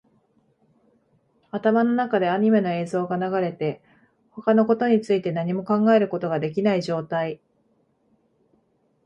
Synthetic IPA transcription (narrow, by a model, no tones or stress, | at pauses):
at̪amano̞nakad̪e̞aɲ̟ime̞noe̞ːzo̞ːɡanaɡaɾe̞t̪e̞ | ho̞kano̞ko̞t̪o̞ɲ̟it͡sɨit̪e̞naɲ̟imo̞kãŋɡaeɾɯ̟ko̞t̪o̞ɡad̪e̞k̬ʲinaiʑo̞ːt̪ai